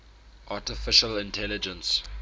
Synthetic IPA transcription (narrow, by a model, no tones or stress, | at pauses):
ʔatɪfɪʃəlɪ̃ntʰɛlɪd͡ʒə̃ns